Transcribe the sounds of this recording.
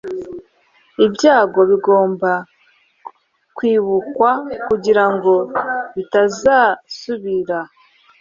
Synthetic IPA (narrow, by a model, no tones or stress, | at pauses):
ibɟaːɡo̞βiɡo̞ːmba | kwiːβukwakuɟiɾaŋɡo̞βitazaːsuβiɾa